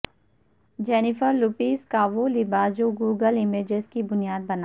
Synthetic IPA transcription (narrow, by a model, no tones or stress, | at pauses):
d͡ʒɛːnɪfəɾluːpiːskaʋolɪbaːd͡ʒoɡuːɡəlɪmeːd͡ʒezkibʊnijaːd̪̚bɐna